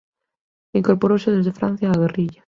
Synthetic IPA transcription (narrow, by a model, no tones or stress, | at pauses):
iŋkoɾpoɾosɪðezðefɾa̰n̟θjaːɣ̞eriʎa